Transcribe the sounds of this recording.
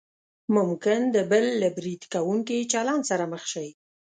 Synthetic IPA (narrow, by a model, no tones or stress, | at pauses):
mʊmkɪnd̪əbəlːabɾid̪kawuŋkit͡ʃɑlɑnsaɾaməxʃəj